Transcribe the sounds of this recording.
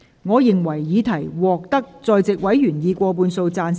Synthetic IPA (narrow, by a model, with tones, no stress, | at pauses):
ŋɔː˨˧jɪ˨ŋwɐ˨˩jːiː˨˧t̪ʰɐ˨˩jwɔː˨k̚t̪ɐ˥k̚t͡sɔː˧jt͡sɪ˨k̚wɐ˨˥jɥyː˨˩njiː˨˧kʷɔː˧p̬uː˧nso˧wt͡saː˧n